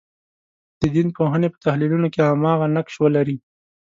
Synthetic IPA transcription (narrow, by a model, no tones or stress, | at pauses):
d̪̥əd̪inpoɦənepə̥t̪ahlilunokeamɑɣanakʃwalaɾi